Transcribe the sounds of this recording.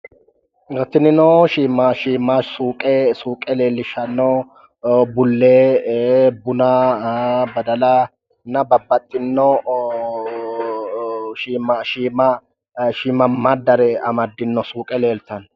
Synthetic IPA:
ɡɐt̪ːɪnɪnɔʃiːmɐʃiːmasuːkʼɛsuːkʼɛle̞ːlːɪʃɐnːɔ | bʊlːeː | bʊna | bɐd̪ɐlɐ | nɐbɐbːɐt̪ʼːɪnːɔ | ʃiːmaʃiːmɐ | ʃiːmɐmɐd̪ːɐɾɛɐmɐd̪ːɪnːɔsuːkʼɛle̞ːlt̪ɐn

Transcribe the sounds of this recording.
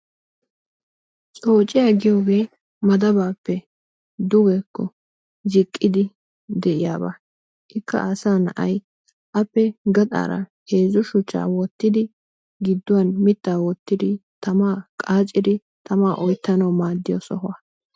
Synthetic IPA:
t͡sʼo̞ːt͡ʃʼːɪjaːɡɪjoːɡe̞ː | mɐd̪ɐbaːpːɛ | d̪ʊɡɛkːɔ | zɪkʼːɪd̪ɪ | d̪ɛʔɪjaːba̰ː | ʔɪkʰːɐ̰ɐsaːnɐ̰ʔɐ̰j | ʔɐpːɛɡɐt̪ʼa̰ːɾɐ̰he̞ːzʊʃʊt͡ʃːa̰ːwɔt̪ːɪd̪ɪ | ɡɪd̪ːʊwaːnmɪt̪ːaːwɔt̪ːɪd̪ɪt̪ɐmaːkʼaːt͡ʃʼːɪd̪ɪ | t̪ɐmaːʔɔjt̪ːɐnɐwmaːd̪ːɪjo̰sɔhaː

